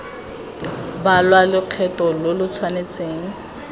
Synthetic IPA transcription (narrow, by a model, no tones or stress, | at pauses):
balwalʊq͡χʰɛtɔlʊlʊt͡sʰwanet͡sʼeːŋ̩